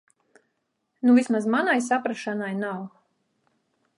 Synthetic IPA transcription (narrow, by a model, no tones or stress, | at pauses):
nuvʲismazmanajs̬apɾaʃanajnaw